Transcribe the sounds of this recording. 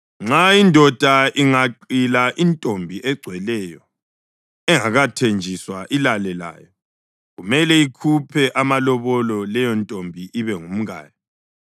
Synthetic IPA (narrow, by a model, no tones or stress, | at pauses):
ŋ͡ǁaindʱɔd̥ʱaʔiŋaǃilaʔintʼombʱiɛɡ͡ǀʱwɛlɛjɔ | ɛŋaɣatʰend͡ʒʱiswaʔilalɛla̰jɔ | ɣumɛlɛikʰupʰɛʔamalɔβɔlɔlɛjɔntʼombʱiʔiβɛŋum̩ɣa̰ːjɔ